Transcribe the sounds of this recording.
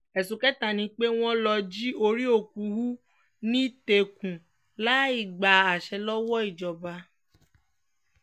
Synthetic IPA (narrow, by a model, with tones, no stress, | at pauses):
ɛ˨su˨˦kɛ˦ta˦˨nĩ˧k͡pe˦w̃ɔ̃˦lɔ˧d͡ʒi˦o˧ɾi˦o˦˨ku˨˦ɦu˦ | nĩ˦te˨kũ˨ | la˨˦i˦˨ɡ͡ba˨a˨ʃɛ˧˦lɔ˦wɔ˦i˦˨d͡ʒɔ˨ba˧